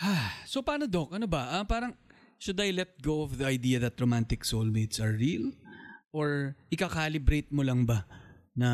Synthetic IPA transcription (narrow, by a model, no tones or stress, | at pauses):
ʔasopaːnod̪o̞k̚ʔɐnobɐʔɐpaːɾɐŋ | ʃʊd̪ɐjlɛt̪̚ɡowʔɐfðɐɐjd̪iːɐðɐt̪̚ɾomant̪ɪksolmet̪sɐɹːilʔoɹʔɪkakaːlɪbɾejt̪̚molɐŋbɐnɐ